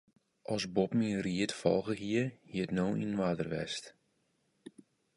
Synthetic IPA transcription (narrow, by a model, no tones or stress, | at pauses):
ʔɔsbɔpmiəriətfɔ̰lˠɣəɦiəhiətnoːḭnnʋaːdərʋɛ̰st